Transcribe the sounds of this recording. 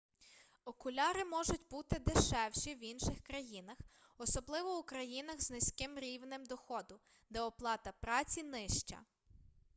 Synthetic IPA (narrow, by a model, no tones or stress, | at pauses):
ɔkʊlʲɑɾɪmɔʒʊtʲbut̪ɪd̪eʃɛwʃiwinʃɪxkɾɐjinɐxɔsɔblˠɪʋɔukɾɐjinɐɣznɪsʲkɪmɾʲiwnɪmd̪ɔxɔd̪ʊ | d̪ɛɔplˠɑt̪ɐpɾɑt͡sʲinɪʃt͡ʃɐ̰